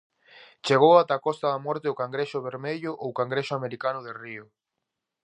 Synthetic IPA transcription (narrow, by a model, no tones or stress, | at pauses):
t͡ʃeɣ̞owat̪akɔst̪aðamɔɾt̪eʊkaŋɡɾeʃʊβ̞eɾmeʎʊʔowkaŋɡɾeʃʊameɾikanʊðeriʊ